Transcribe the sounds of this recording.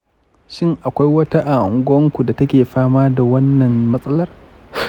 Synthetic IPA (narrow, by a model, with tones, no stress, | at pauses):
ʃɪ˦˨ŋʔa˨kʷa˦jwɐ˦ta˦ʔa˨ʔʊ˨ŋɡʷɐ˦ŋkʷu˨da˨tɐ˦kʲeː˨ɸaː˦maː˦da˨wɐ˦nːɐ˨mmɐ˦sʼɐ˦lɐ˦r